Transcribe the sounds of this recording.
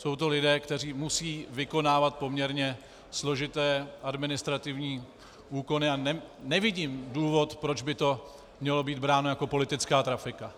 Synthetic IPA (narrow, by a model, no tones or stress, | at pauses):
so̞wt̪o̞lɪdɛːkt̪ɛr̝iːmusiːvɪko̞naːvat̪̚po̞mɲɛɾɲɛ | slo̞ʒɪt̪ɛːʔadmɪnɪst̪ɾat̪ɪvɲiː | ʔuːko̞nɪanɛnɛvɪɟiːmduːvo̞t̪pɾo̞d͡ʒbɪt̪o̞ | mɲɛlo̞biːd̪bɾaːno̞jako̞po̞lɪt̪ɪt͡skaːt̪ɾafɪka